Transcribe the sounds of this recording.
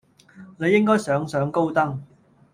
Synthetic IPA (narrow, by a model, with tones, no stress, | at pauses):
ne˨˧jːɪ˥ŋkɔː˥jsœː˨˥ŋsœː˨˧ŋko˥wt̪ɐ˥ŋ